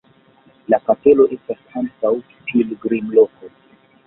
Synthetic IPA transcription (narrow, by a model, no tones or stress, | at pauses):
lapate̞lo̞ʔe̞stasankaw | kʰilɡɾimlo̞ko